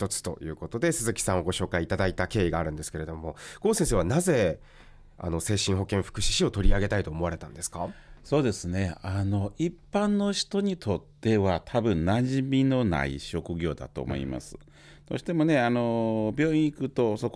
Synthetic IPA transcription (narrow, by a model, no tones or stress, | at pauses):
çt̪o̞t͡sɨ̥t̪o̞̰jɯ̟ːko̞t̪o̞d̪e̞sɨzɨkʲi̥sãɰ̃o̞ɡo̞ɕo̞ːkaiːt̪ad̪ait̪ake̞ːiɡaːɾɯ̟nd̪esɨ̥ke̞ɾe̞d̪o̞mo̞ɡ̥o̞ːsẽs̬e̞ːβanaze̞ | a̰no̞se̞ːɕĩɦo̞kẽɰ̃ɸɯ̟̥kɯ̟ɕi̥ɕio̞t̪o̞ɾʲiaɡe̞t̪ait̪o̞ːmo̞βaɾe̞t̪ãnd̪e̞sɨ̥kaso̞ːd̪e̞sɨne̞ano̞ʔipːãnːo̞ɕi̥t̪o̞ɲ̟it̪ʰo̞t̪ːe̞βat̪ʰabɯ̟̃nnaʑimʲino̞na̰ḭɕo̞kɯ̟ɡʲo̞̰ːd̪a̰t̪o̞̰ːmo̞̰ḭma̰sɨ̥ | d̪̥o̰ɕi̥t̪e̞mo̞ne̞ano̞bʲo̞ːĩikɯ̟t̪o̞so̞k